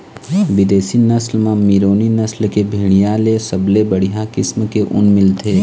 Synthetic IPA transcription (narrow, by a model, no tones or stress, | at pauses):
ʋɪd̪eːsinɐslmãmiɾoːninɐslkebʱiːɽ̃ijaːlesɐblebəɽ̤ijakɪsmkeʔʊ̰nmɪlt̪ʰeː